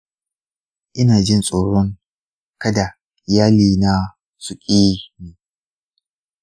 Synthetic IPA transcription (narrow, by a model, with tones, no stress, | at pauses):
ʔɪ˦naː˨d͡ʒɪ˦nsʼoː˨ɽɔ˦ŋ | kɐ˦da˨ | ʔʔɪ˨jaː˦liː˨na˦ | sʊ˨kʲʼiː˦neː˨